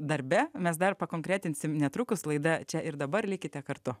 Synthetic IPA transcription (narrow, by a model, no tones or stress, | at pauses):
d̪ɐɾʲbʲɛmʲɛsd̪ɐrpɐkoːŋkɾʲæːt̪ʲɪnʲsʲɪmnʲɛt̪ɾʊkʊslˠɐɪd̪ɐt͡ʃʲɛʔɪɾd̪ɐbɐrlʲɪkʲɪt̪ʲɛkɐɾt̪ʊ